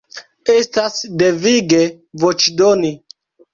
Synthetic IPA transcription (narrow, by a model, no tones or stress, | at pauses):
estasdeviɡe | vot͡ʃdoni